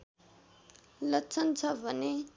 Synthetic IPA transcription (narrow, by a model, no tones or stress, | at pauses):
lʌt͡sʰʌnt͡sʰʌbʱʌne